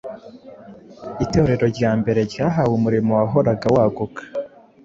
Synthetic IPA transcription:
ite̞ɾe̞ɾo̞ɾɟaːmbe̞ɾe̞ɾjaːɦawumuɾimowaɦo̞ɾaɡawaːɡukḁ

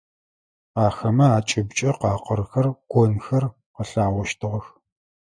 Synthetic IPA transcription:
aːxɐmɐaːt͡ʃʼɪbt͡ʃʼɐqɑːqərxɐrɡʷɔnxɐr | qəɬaːwɔʃtʰɨʁɐx

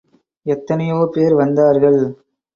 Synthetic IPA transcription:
ɛt̪ːɐnɐjoːpeːɐɾʋɐnd̪aːɾɣɐɭ

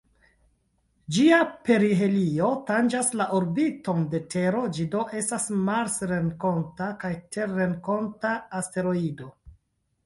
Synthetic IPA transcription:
d͡ʒiape̞ɾife̞lio̞tand͡ʒaslaʔoɾbito̞nde̞tʰe̞ɾo̞d͡ʒido̞ʔe̞stasmaɾsɾe̞nko̞ntakajte̞ɾe̞ŋko̞ntaːste̞ɾo̞ido̞

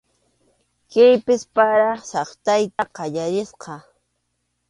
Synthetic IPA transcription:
kɪjpɪspaɾɑsɑχt̪ajt̪aqɑʎaɾɪsqɑ

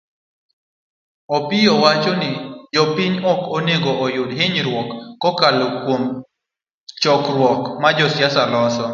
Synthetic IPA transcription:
ɔpɪjɔwat͡ʃɔnɪd͡ʒɔpɪɲɔkoneɡoʔɔjʊdɦɪɲɾwɔkːɔkalokwom | t͡ʃɔkɾwɔkmad͡ʒɔsjasalɔsɔ

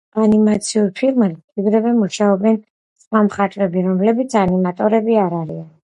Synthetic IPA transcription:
animat̪sʰiuɾpʰilˠmiɡɾɛvɛmuʃaɔbɛn | sχwamχat̪ʼvɾɛbiɾɔmlɛbit̪sʰanimat̪ʼɔɾɛbiaɾaɾian

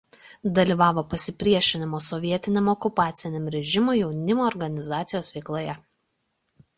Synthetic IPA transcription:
d̪ɐlʲiːˑʋɑːʋoːpɐsʲɪpʲɾʲiɛʃʲɪnʲɪmoːsɔʋʲiɛt̪ʲɪnʲɛmɔkʊpɑːt̪sʲɪnʲɛmɾʲɛʒʲɪmʊjɛʊnʲɪmoːɾɡɐnʲɪzɑːt̪sʲɪjoːsʋʲɛɪklˠoːjɛ

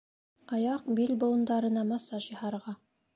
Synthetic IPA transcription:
ɑjɑq̚bilʲbŏlˠɤ̆nd̪ɑɾɤ̆nɑmɑsɑʃjɤhɑɾʁɑ

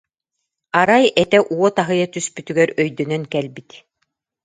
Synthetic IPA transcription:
aɾajɛt̪ɛʔuɔt̪aɦɯjat̪yspyt̪yɡɛɾœjd̪œnœnkɛlbit̪

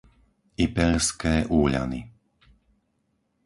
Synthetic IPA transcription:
ipɛɾskɛːʔuːʎa̰nḭ

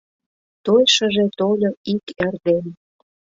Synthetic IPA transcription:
t̪ojʃə̆ʒet̪olʲoikerd̪en

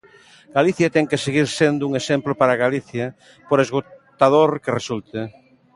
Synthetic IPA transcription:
ɡ̥aliθjat̪ɛŋkeseɣiɾsend̪ʊuŋesemplopaɾaɣaliθja | poɾezɣot̪aðoɾkeresult̪e

